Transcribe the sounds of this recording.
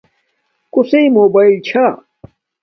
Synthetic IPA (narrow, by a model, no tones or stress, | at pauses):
kuseimoːbaːilt͡ɕʰa